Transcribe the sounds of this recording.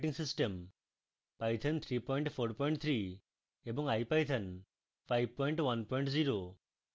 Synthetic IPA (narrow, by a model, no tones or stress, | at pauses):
ʈiŋsisʈəm | pajt̪ʰənt̪ʰɾipɔjɳʈpʰoɾpɔjɳʈt̪ʰɾi | ebɔŋajpajt̪ʰɐn | pʰajb̚pɔjɳʈʋɐnpɔjɳʈziɾo